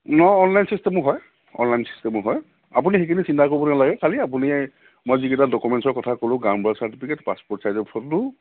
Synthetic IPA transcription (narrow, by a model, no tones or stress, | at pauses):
nɔːnlajnsistɛmɔɦɔj | ɔ̰nlajnsi̥stɛmɔɦɔj | apunixekʰinisintʰakoɹibɔnalaɡɛkʰaliap̬uni | mojzikɛtadɔkumɛntsɔɹkɔtʰakolʊ̃ɡambɹasaɹtipʰikɛtpaspɔtsajzɔpʰɔttʊ